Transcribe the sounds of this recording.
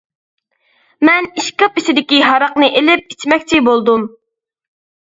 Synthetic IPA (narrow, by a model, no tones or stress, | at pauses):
mɛniʃkʲɪpiʃɪd̪ɪkʲiɦɑɾɑqnɨʔelɪp̚it͡ʃmɛkʲt͡ʃʰɪbolˠd̪um